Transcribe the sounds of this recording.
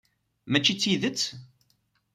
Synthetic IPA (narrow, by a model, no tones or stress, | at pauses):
mæt͡ʃːit͡sːiðət͡sː